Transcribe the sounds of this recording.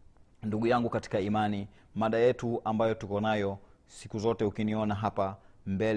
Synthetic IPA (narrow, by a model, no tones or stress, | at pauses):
nduɠujaŋɡukati̥kaimani | maɗajɛtuambajɔtukɔnajɔ | si̥kuzɔtɛukiniɔnaɦapambɛl